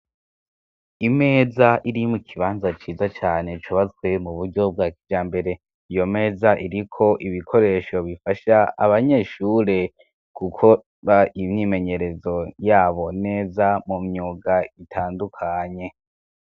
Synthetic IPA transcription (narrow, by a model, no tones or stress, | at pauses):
ime̞ːzaʔiɾimukʰiβaːnzat͡ʃiːzat͡ʃaːne̞t͡ʃuβat͡swe̞muβuɾɟo̞b̚ɡaːkid͡ʒaːmbe̞ɾe̞ | ijo̞me̞ːzaʔiɾikʰo̞ʔiβikʰo̞ɾe̞ʃo̞βifaʃaa̰βaɲe̞ːʃuɾe̞ | kukʰo̞ | ɾaimɲime̞ɲe̞ɾe̞zo̞jaːβo̞ne̞ːzamumɲuːɡaitʰaːndukʰaɲe̞